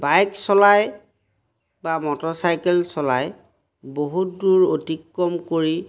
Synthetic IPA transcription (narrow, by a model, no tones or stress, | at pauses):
bajksɔlaj | bamɔtɔsajkɛlsɔla̰j | boɦutduɹotikːɔmkoɹi